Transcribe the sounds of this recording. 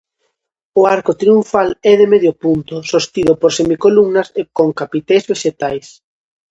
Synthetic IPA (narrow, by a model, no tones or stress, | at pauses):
ʊaɾkot̪ɾiuɱfalɛðemeðjʊpunt̪ʊsost̪iðʊpoɾsemikolumnɐsekoŋkapit̪ejzβeʃet̪ajs